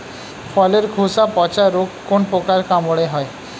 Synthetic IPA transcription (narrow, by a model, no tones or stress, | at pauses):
fʰɔleɾkʰusapɔt͡ɕaɾokːonpokaɾkamoɽeɦɔe